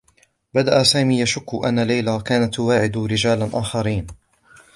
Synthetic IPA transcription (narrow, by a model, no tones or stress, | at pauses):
bad̪aʔasaːmiːjaʃʊkːʊʔa̰nːalajlakaːnat̪ːʊwaːʕɪd̪ɾɪd͡ʒaːlanʔaːxɑɾiːn